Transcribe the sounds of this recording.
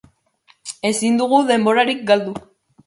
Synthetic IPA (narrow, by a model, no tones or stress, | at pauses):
e̞sind̪uɣuðe̞mbo̞ɾaɾik̚ɡald̪u